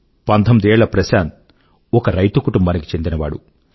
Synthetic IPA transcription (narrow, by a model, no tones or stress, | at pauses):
pɐnt̪ʰɐmid̪iɛːɭlɐpɾɐsaːnt̪̚ | ɔkɐɾɐjt̪ukuʈumbaːniki̥t͡ʃe̞nd̪inɐʋa̰ːɽṵ